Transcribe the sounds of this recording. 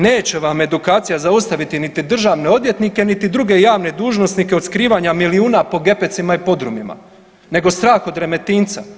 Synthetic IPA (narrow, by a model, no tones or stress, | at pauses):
neːt͡ɕe̞ʋame̞d̪ukaːt̪sijazaust̪aʋit̪init̪id̪r̩ʒaːʋne̞od̪je̞t̪nike̞nit̪id̪ɾuɡe̞jaːʋne̞d̪uːʒno̞snikeo̞d̪skɾiːʋaɲamiliuːnapo̞ɡe̞pe̞t̪simaipo̞d̪ɾumima̰ | ne̞ɡo̞st̪ɾaːxo̞d̪ɾe̞me̞t̪iːnt̪sa̰